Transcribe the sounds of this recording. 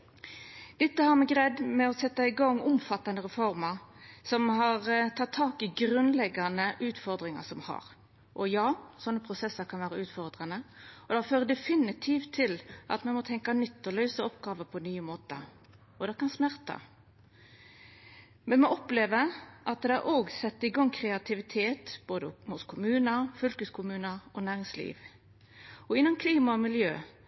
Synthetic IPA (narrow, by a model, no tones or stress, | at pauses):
d̪̥ɛt̪ːəhɑɾmɛɡɾɛd̪mɛɔsɛt̪ːɑɪɡɑŋːʊmfɑt̪ːɑnd̪əɾɛfɔɾmɑɾsɔmɦɑʁt̪ʰɑt̪ʰːɑːkɪɡɾʉnlɛɡɑnəʔʉːt̪fɔɾd̪ɾɪŋɑ̰sɔmhɑ̰ɾ | ʔɔjɑːsɔnːəpʰɾʊsɛsəɾkʰɑnʋæːɾəʉːt̪fɔʁd̪ʁɑnəɔd̪ɑføːɾəd̪ɛfɪnɪt̪ʰiːft̪ʰːɪlʔɑ̰t̪mɛnmɔt̪ʰɛŋkɑnʏt̪ːɔlœʉsəɔpɡɑːʋəpʰɔnyːəmoːt̪ə̰ | ɔd̪ɛkɑnsmæʁt̪ʰɑ̰ | mɛnmɔʔɔpleːʋəʔɑt̪̚d̪ɛæʔoːɡsɛt̪ːɪɡɑŋːkʰɾɛɑt̪ʰɪʋɪt̪ʰeːt̪b̥oːd̪əhʊskʰʊmʉːnəfʏlkəskʰʊmʉːnəɔnæːʁɪŋslḭːʋ | ɔɪnːʊmkʰliːmɑɔmɪljøː